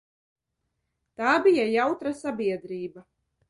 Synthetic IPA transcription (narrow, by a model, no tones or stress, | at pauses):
t̪aːbijajawt̪ɾasabiɛd̪ɾiːba